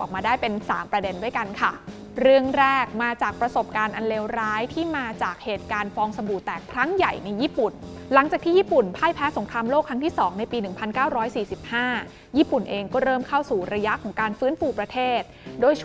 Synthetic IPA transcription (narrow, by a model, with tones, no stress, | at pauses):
ʔɔ̰ː˨˩k̚maː˧daː˥˩jpe˧nsa̰ː˩˦mpɾa˧de˧ndu˥˩əjka˧nkʰa˥˩ | ɾɯ˥˩əŋɾɛː˥˩k̚maː˧t͡ɕaː˨˩k̚pɾa˧so˨˩p̚kaː˧nʔa˧nleː˧wɾaː˦˥jt̪ʰiː˥˩maː˧t͡ɕaː˨˩k̚heː˨˩t̪̚kaː˧nfɔː˧ŋsa˧buː˨˩t̪ɛː˨˩kʰɾa˦˥ŋja˨˩jna˧jːiː˥˩pu˨˩n | la˨˩˦ŋt͡ɕaː˨˩t̪ʰiː˥˩jiː˥˩pu˨˩npʰaː˥˩jpʰɛː˦˥so˨˩˦ŋkʰɾaː˧mloː˥˩kʰːɾa˦˥ŋt̪ʰiː˥˩sɔː˩˦ŋna˧jpiː˧nɯ˨˩ŋpʰa˧nkaː˥˩wɾɔː˦˥jsiː˨˩si˨˩p̚haː˥˩ | jiː˥˩pu˨˩nʔeː˧ŋkɔː˥˩ɾɤː˥˩mkʰa˥˩wsuː˨˩ɾa˧ja˦˥ʔkʰɔː˩˦ŋkaː˧nfɯː˦˥nfuː˧pɾa˧t̪ʰeː˥˩t̪̚doː˧˩j